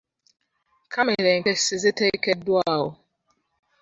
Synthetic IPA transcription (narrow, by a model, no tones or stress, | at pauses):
kʰamɪɾeŋ̩kesɪzɪteikedʊaʊ